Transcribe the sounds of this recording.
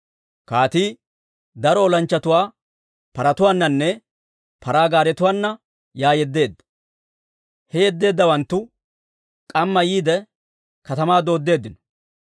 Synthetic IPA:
kaːt̪iː | d̪ɐɾɔːlɐnt͡ʃːɐt̪ʊwaː | pɐɾɐt̪ʊwaːnːɐnːɛ | pɐɾaːɡaːɾɛt̪ʊwaːnːɐ | jaːjɛd̪ːe̞ːd̪ːɐ̥ | hɛjɛd̪ːe̞ːd̪ːɐwɐnt̪ːʊ | kʼɐmːɐjiːd̪ɛ | kɐt̪ɐmaːd̪o̞ːd̪ːe̞ːd̪ːɪnɔ̥

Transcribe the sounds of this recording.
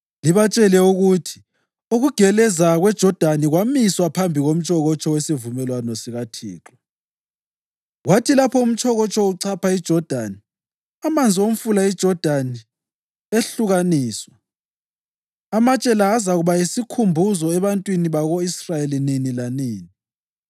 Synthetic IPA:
liβat͡ʃʼɛlɛuɣutʰi̥ | uɣuɡ̥ʱɛlɛzaɣwɛd̥ʒ̥ʱɔd̥ʱaniɣwamiswapʰambʱiɣom̩t͡ʃʼɔɣɔt͡ʃʰʼɔwesivumɛlwanɔsiɣatʰḭːǁɔ | ɣwatʰilapʰɔum̩t͡ʃʼʰɔɣɔt͡ʃʰʼɔuǀʰapʰaid̥ʒ̥ʱɔd̥ʱaːni | amand͡zʱiom̩fulaid̥ʒ̥ʱɔd̥ʱani | eɬuɣaniːswa | amat͡ʃʼɛlaːzaɣuβajisikʰumbʱuzɔɛβantʼwiniβaɣoisrajelininilaniːni

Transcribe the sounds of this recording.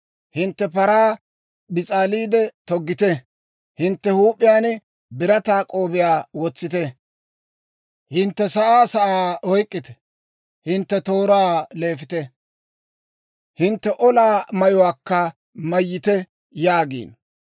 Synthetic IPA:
hɪnt̪ːɛpɐɾaː | bɪt͡sʼaːliːd̪ɛt̪ɔɡːɪt̪ɛ | hɪnt̪ːɛhuːpʼːɪjaːnɛ | bɪɾɐt̪aːkʼo̞ːbɪjaːwɔt͡sːɪt̪ɛ | hɪnt̪ːɛsɐʔaːsɐʔaːɔjkʼːɪt̪ɛ̥ | hɪnt̪ːɛt̪oːɾaːle̞ːfɪt̪ɛ | hɪnt̪ːɛʔɔlaːmɐjɔwaːkːɐ | mɐjːɪt̪ɛ | jaːɡḭːn

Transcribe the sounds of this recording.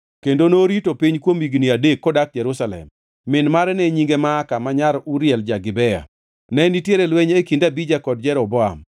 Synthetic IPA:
kendonoɾitopiɲkwomiɡniadekːɔdak̚d͡ʒɛɾusalɛ̰mː | ɪnmaɾɛnɛɲiŋɡemaːkamaɲaɾuɾjɛld͡ʒaɡɪbɛa̰ | nɛnitjeɾelwɛɲekindabid͡ʒakɔd̚d͡ʒɛɾɔbɔa̰m

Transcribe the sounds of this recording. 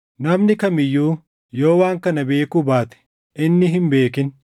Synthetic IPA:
nɐmnɪkɐmɪjːuː | jo̞ːwaːŋkɐnɐbe̞ːkuːbaːt̪ɛ̥ | ʔɪnːɪɦɪmbe̞ːkɪn

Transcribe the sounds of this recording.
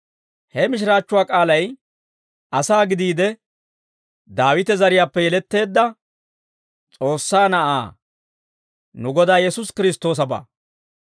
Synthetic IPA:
hɛmɪʃ̬ɾaːt͡ʃːʊwaːkʼaːlɐj | ʔɐsaːɡɪd̪iːd̪ɛ | d̪aːwɪt̪ɛzɐɾɪjaːpːɛjɛlɛt̪ːe̞ːd̪ːɐ | t͡sʼo̞ːsːaːnɐʔa̰ː | nʊɡɔd̪aːjɛsʊskɪɾɪst̪ːo̞ːs̬ɐba̰ː

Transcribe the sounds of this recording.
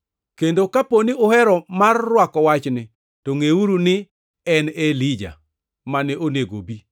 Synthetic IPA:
kendokaponiohɛɾɔmarːwakɔwat͡ʃnɪ | toŋeuɾunɪ | ɛnelid͡ʒa̰ | manɛʔoneɡo̰bi

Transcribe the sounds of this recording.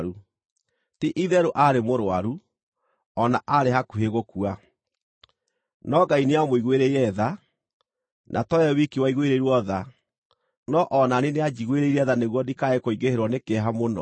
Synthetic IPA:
ɾu | tiʔiðɛɾoʔaɾemoɾoaɾu | ɔnaʔaɾeɦakuɦeɣokua | nɔɡaineamoiɣweɾeiɾɛða | nʔa̰tɔɛwikiwaiɣweɾeiɾwɔða | nɔʔɔnanenead͡ʒiɣweɾeiɾɛðaneɣwɔdikaɛkoiɡeheɾwɔnekɛɦamonɔ̰

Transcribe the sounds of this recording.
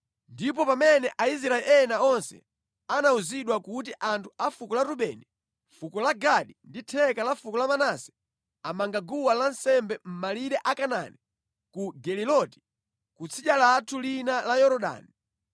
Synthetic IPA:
ndip̬ɔpamɛnɛʔais̬ɾaɛʔɛnaɔnsɛ̰ | anauziɗwakutiʔantʰuafukɔlaɾuɓɛni | fukɔlaɡaɗinditʰɛkalafukɔlamanasɛ̥ | amaŋɡaɡuwalansɛmbɛm̩maliɗɛʔakana̰ni | kuɡɛlilɔti̥ | kut͡sʰiɗalatʰulinalajɔɾɔɗa̰ːni

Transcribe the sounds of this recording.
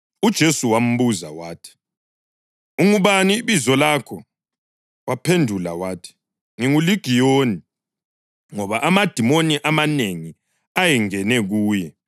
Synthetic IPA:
ud̥ʒ̥ʱesuwam̩βuza̰waːtʰi̥ | uŋuβaniːβizɔlakʰɔ | wapʰendʱula̰waːtʰi̥ | ŋiŋuliɡ̥ʱijoːni | ŋɔβaʔamad̥ʱimoniʔamaneŋi | ajɛŋɛnɛɣuːjɛ

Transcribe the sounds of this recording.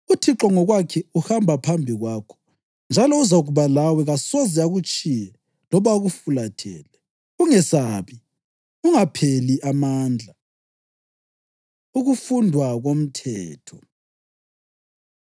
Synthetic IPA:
utʰiǁɔŋɔɣwakʰɛuhambʱapʰambʱiɣwakʰɔ̥ | nd͡ʒʱalɔuzaɣuβalawɛɣasɔzɛaɣut͡ʃʼijɛ | lɔβaɣufulatʰɛ̰ːlɛ | uŋɛsaβi | uŋapʰeliʔamaːnd͡ɮʱa | uɣufundʱwaɣom̩tʰɛːtʰɔ

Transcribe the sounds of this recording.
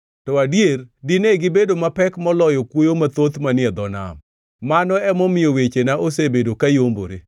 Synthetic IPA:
tɔadjeɾdɪneɡɪbedomapɛkmɔlɔjɔkwojomat̪ot̪manɪɛd̪ɔna̰m | manɔɛmɔmɪjɔwet͡ʃenaʔosebedokajombo̰ɾe

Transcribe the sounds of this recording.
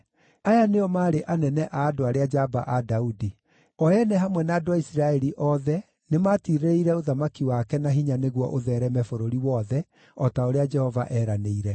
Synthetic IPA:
ajaneɔmaːɾeʔanɛnɛʔaːdoaɾead͡ʒaba̰ʔadaudi | ɔɛnɛɦamwɛnaːdoaisiɾaɛɾiʔɔðɛ | nemaːtiɾeɾeiɾɛoðamakiwakɛnaɦiɲaneɣwɔ̰ʔoðɛːɾɛmɛfoɾoɾiwɔðɛ | ɔtaoɾead͡ʒɛhɔva̰ʔɛɾaneiɾɛ

